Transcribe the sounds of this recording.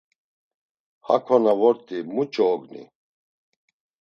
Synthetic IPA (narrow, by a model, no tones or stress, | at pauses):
ha̰kʰɔnavɔɾt̪ʼimut͡ʃʼɔːɡnḭ